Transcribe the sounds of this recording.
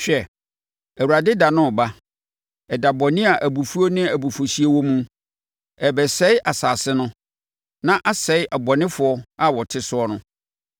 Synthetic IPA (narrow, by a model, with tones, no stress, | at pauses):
ɕᶣɛ˦˨ | æ˨wu˨ɾa˨dɪ˦da˨nʊ̃˦˨ba˦ | ɛ˨da˨bɔ˨nɪ̃˦a˨ʔæ˨bu˨fu˦o˦nɪ̃˦æ˨bu˨fo˨si˦e˦wɔ˦mũ˦ | ɛ˨bɛ˨sɛ˦ɪ˦ʔa˨saː˨sɪ˦nʊ̃˦ | nã˦ʔa˦sɛ˨˦ɪ˦ʔa˨bɔ˨nɪ̃˦fʊ˨˦ɔ˦a˦wɔ˨tʰɪ˦sʊ˦ɔ˦nʊ̃˦